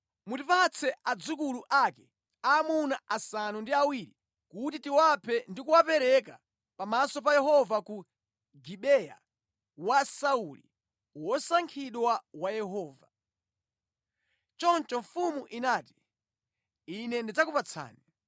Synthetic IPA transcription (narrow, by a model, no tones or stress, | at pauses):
mutipat͡sʰɛʔad͡zukuluʔakɛ | amunaʔasanundiawiɾi | kutitiwapʰɛndikuwapɛɾɛka̰ | pamasɔp̬ajɛɦɔvaku | ɡiɓɛja̰ | wasaulḭ | wɔsaŋkʰiɗwawajɛɦɔːva | t͡ʃɔnt͡ʃɔɱfumuʔinaːti̥ | inɛndid͡zakupat͡sʰa̰ːni